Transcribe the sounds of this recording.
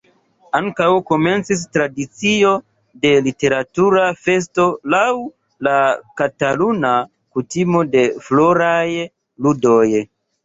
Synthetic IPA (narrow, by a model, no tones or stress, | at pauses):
aŋkawko̞me̞nt͡sis̬tɾadit͡sio̞ | de̞lite̞ɾatuɾafe̞s̬to̞law | lakataluna | kutimo̞de̞flo̞ɾaj | ludo̞j